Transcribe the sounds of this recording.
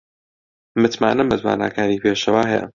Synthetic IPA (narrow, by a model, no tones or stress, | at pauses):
mɨt̪maːnɨmbɐzwa̰ːna̰ːkʰaːniːpʰeːʃɐwaːɦɛjɐ̰